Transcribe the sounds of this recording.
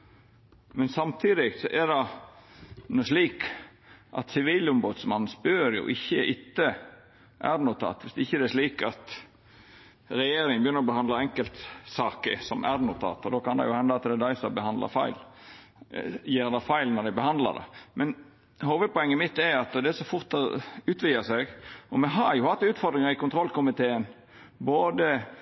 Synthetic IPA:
mɛnsɑmt̪ʰiːd̪ɪɡsɔʔæɾd̪ɑ | nʊʂliːk | ʔɑ̰t̪sɪʋiːlʊmboːd̪smɑnsbøːɾjʊ̰ʔɪçːəʔɪt̪ːə | ʔæɾnʊt̪ʰɑ̰ːt̪ʋɪsd̪ɛɪçːəd̪ɛæʂliːkɑt̪ | ɾɛjeːɾɪŋəmbəjʏnːəɾɔbəhɑnd̪lɑɾɛŋkəlt̪sɑːkə̰sɔmʔæ̰dnʊt̪ʰɑ̰ːt̪ɔd̪oːkɑnd̪ɛ̰jʊhɛnd̪ɑɑt̪d̪ɛd̪æɪsɑbəhɑnd̪lɑ̰fɑ̰ɪl | jeːɾd̪ɑfæɪlnɔd̪æɪbəhɑnd̪lɑ̰d̪ɛ̰mʔɛn | hoːʋəpɔɛŋːəmɪt̪ːɛɾɑt̪d̪ɛæsɔfʊɾt̪ɑʉːt̪ʋɪəsɛɡɔmɛɦɑɾjʊhɑt̪ːʉːt̪fɔɾd̪ɾɪŋəɾɪkʊnt̪ʰɾɔlkʊmɪt̪ʰeːən | boːd̪ə

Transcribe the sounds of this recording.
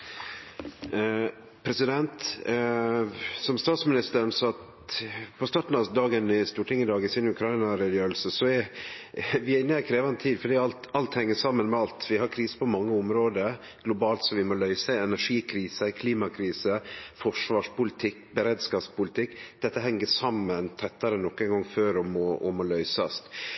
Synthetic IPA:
pʰɾɛsɪd̪ɛnt̪ | sɔmst̪ɑːt̪smɪnɪst̪əɾnsɔt̪ | pʰɔst̪ɑːʈn̩ɑd̪ɑːɡənɪst̪uːʈʰɪŋːəd̪ɑːɡɪsɪnʉkʰɾɑɪnɑɾɛd̪jøːɾlsəsɔɛ | ʋɪɛnəɛkʰɾeːʋɑnət̪ʰiːd̪fɔɖiːɑlt̪ɑlt̪hɛŋːəsɑmːənmɛɑlt̪ʋɪɦɑɾkʰɾiːsə̥pɔmɑŋːəʊmɾoːd̪əɾ | ɡ̥lʊbɑːlt̪sɔʋɪmɔlœʏsəɛnæʂiːkʰɾiːsəkʰliːmɑkʰɾiːsəfɔʂʋɑːʂpʊlɪt̪ʰɪkːbəɾɛːd̪skɑːpspʊlɪt̪ʰɪkːd̪̥ɛt̪ːəɦɛŋːəʂɑmːənt̪ʰɛt̪ːɑɾənɔkːɛnŋɡɑŋføːɾɔmɔɔmɔlœʏsɑst̪

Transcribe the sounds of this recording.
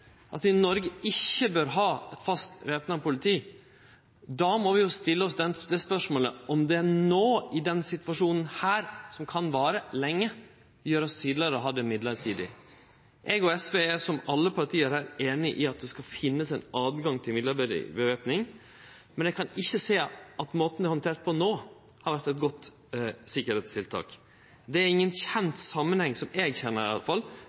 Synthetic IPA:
ʔɑt̪ʋɪnɔɾɡəɪçːəbøːɾɦɑːɛt̪fɑst̪ʋeːpnɑpʊlɪt̪ʰiː | d̪ɑmɔʋɪjʊst̪ɪlːəɔsd̪ɛnd̪ɛspœʂmoːləʔɔmd̪ɛænoːɪd̪ɛnsɪt̪ʋɑʂuːnən̩hæːɾsɔmkʰɑnʋɑːɾəlɛŋːə | jøːɾɔst̪ʰyːd̪lɪɾəɔɦɑd̪ɛmɪd̪ləɾt̪ʰiːd̪ɪ̰ | ʔɛɡɔɛsʋeːæʂɔmɑlːəpʰɑɾʈ̪ʰiːəɾhæːɾeːnɪʔɪɑt̪̚d̪ɛskɑfɪnːəsɛnɑːd̪ɡɑŋt̪ʰɪlmɪd̪ləb̰bəʋeːpnɪŋ | mɛnɛɡkʰɑnɪçːəseːʔɑt̪moːt̪n̩d̪ɪhɔnt̪ʰeːɾʈ̪̚pʰɔnoː | hɑɾʋæɾt̪ɛt̪̚ɡɔt̪ː | sɪkːəɾeːt̪st̪ʰɪlt̪ʰɑ̰ːk | d̪ɛæɾɪŋːənçɛnt̪sɑmːənhɛŋːsɔmɛɡçɛnːəɾɪɑ̰lːəfɑlː

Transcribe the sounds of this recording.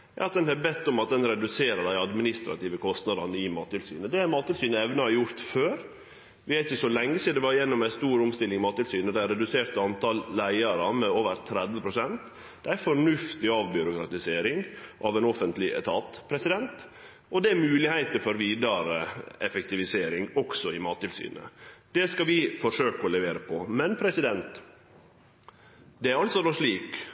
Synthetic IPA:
jɑ̰ːɑt̪̚d̪ɛnhɑɾbɛt̪ːʊmɑt̪̚d̪ɛnɾɛd̪ʉseːɾəd̪æɪɑd̪mɪnɪst̪ɾɑ̰t̪iːʋəkʰɔst̪nɑd̪ɑnəɪmɑ̰ːt̪ːɪlsy̰ːnəd̪ɛmɑːt̪ːɪlsyːnəɛʋnəhɑɾjʊɾt̪føːɾ | ʋɪæɾɪçəsɔlɛŋːəsiːd̪ɛʋɑɾjɛnːɔmæɪst̪uːɾʊmst̪ɪlːɪŋɪmɑːt̪ːɪlsyːnəd̪æɪɾɛd̪ʉseːɾt̪əɑnt̪ɑlːæɪɑɾəmɛoːʋəɾt̪ʰɾɛd̪ʋəpʰɾʊsɛnt̪ | d̪̥ɛæfɔɳʉft̪ɪɑːʋbʏɾʊkɾɑt̪ɪseːɾɪŋʔɑʋɛnɔfənt̪lɪʔɛ̰t̪ʰɑt̪pʰɾɛsɪd̪ɛnt̪ | ɔd̪ɛæmʉːlɪhæɪt̪əfɔɾʋiːd̪ɑɾə̰ɛfɛkt̪ɪʋɪseːɾɪŋɔksɔɪmɑːt̪ɪlsy̰ːnə̰d̪̥ɛskɑʋɪfɔʂøːkəɔlɛʋeːɾəpʰɔmɛnpʰɾɛsɪd̪ɛnt̪ | d̪ɛæɾɑlt̪sɔnɔʂɭiːk

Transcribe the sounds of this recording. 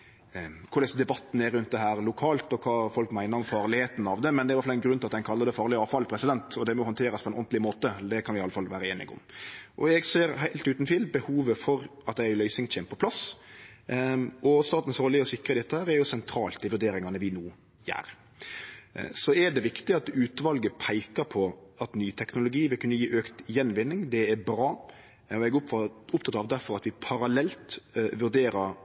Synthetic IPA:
kʰʊɾɛsɔmd̪ɛbɑt̪ːn̩æɾːʉnt̪̚d̪ɛɦæːɾlʊkʰɑːlt̪ɔkʰɑːfɔlkmæɪnəɾɔmfɑːɾlɪheːt̪n̩ɑʋd̪ɛmɛnd̪ɛɾʋæɾfɑɛnɡɾʉnɪlɑt̪hɛɪnkʰɑlːɑəd̪ɛfɑːɾlɪɑːʋfɑlpʰɾɛsɪd̪ɛnt̪ɔd̪ɛmɔhɔnt̪ʰeːɾɑspʰɔɛnɔnd̪lɪmoːt̪əd̪ɛkʰɑnʋɪɑlːəfɑlʋæːɾəeːnɪ̰ɡʊ̰mʔɔɛɡseːɾɦæɪlt̪ʉːt̪n̩t̪ʰiːlbəhuːʋəfɔɾɑt̪̚d̪æɪlœʏsɪŋt͡ɕʰɛmpʰɔpʰlɑs | ʔɔst̪ɑːt̪n̩sɾoːlɪɔsɪkɾəd̪ɛt̪ːəhæːɾæɾjʊsɛnt̪ʰɾɑ̰ːlt̪ɪʋʉɖeːɾɪŋɑnəʋɪnuː | jæ̰ːɾ | sɔɛɖ̪ɛʋɪkt̪ɪɑt̪ʉːt̪ʋɑlɡəpʰæɪkəɾpʰɔɑt̪nyːt̪ʰɛknʊlʊɡiːʋɪlkʉnːəjiːʔøːkt̪jɛnːʋɪnːɪŋd̪ɛɛɾbɾɑː | ɔɛɡʊpt̪ʰɑt̪ːɑʋd̪æɾfɔɾɑt̪ʋɪpʰɑɾɑlɛlt̪ʋʉɾɖ̪eːɾəɾ

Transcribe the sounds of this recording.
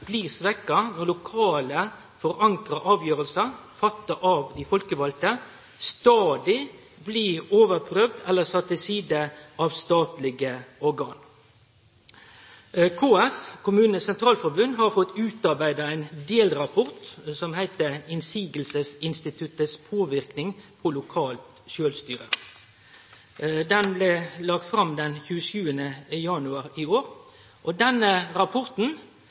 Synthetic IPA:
b̥liːʁsʋɛkːɑnɔʁlʊkʰɑːlə | fɔɾɑŋkɾəʔɑːʋjøːʁəlsəfɑt̪ːəʔɑʋd̪ɪfɔlkəʋɑlt̪ə | st̪ɑːd̪ɪ | bliːoːʋəʁpʰɾøːʋd̪ɛlːəsɑt̪ːɪsiːd̪əʔɑʋst̪ɑːt̪lɪɡəɔɾɡɑːn | kʰoːɛskʰʊmʉːnəsɛnt̪ʰʁɑːlfɔʁbʉnd̪ɦɑɾfɔt̪ːʉːt̪ɑʁbæɪd̪əæɪnd̪eːlʁɑpʰɔʁt̪sɔmhæɪt̪əɪnsiːɡəlsəsɪnst̪ɪt̪ʰʉt̪əspʰoːʋɪʁknɪŋpʰɔlʊkʰɑːlt̪ | ʃøːlst̪yːʁə̰ | d̪ɛnblɛlɑk̚t̪fɾɑmd̪ɛnçʉːəʃʉːənəjɑnʉɑʁiːoːɾ | ʔɔd̪ɛnəʁɑpʰɔʁt̪n̩

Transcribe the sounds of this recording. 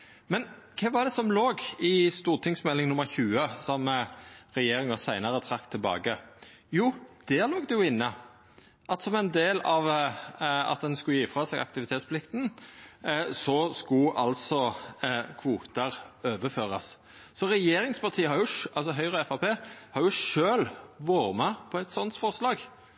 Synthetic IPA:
mɛnkʰɛːʋɑd̪ɛsɔmloːɡɪst̪uːʁt̪ʰɪŋsmɛlːɪŋnʊmːəɾçʉːəsɔmɾɛjeːɾɪŋɑsæɪnɑʁət̪ʰʁɑkt̪ʰːɪlbɑ̰ːɡə | juːd̪̥æʁloːk̚d̪ɛjʊɪnːə | ʔɑt̪sɔmɛɪnd̪eːlɑʋ | ɑ̰t̪̚d̪ɛnskʉjiːfɾɑsɛːɡɑ̰kt̪ɪʋɪt̪ʰeːt̪spʰlɪkt̪n | sɔskʊʔɑlsɔ | kʰʋuːt̪ɑʁøːʋəføːʁɑs | sɔʁɛjeːɾɪŋspɑʁt̪ʰiːəhɑɾjʊʃʔɑlsɔɦœʏʁəɛfɑpʰeːhɑɾjʊʂøːlʋoːɾmɛpʰɔɛt̪sɔnt̪fɔʁslɑːɡ

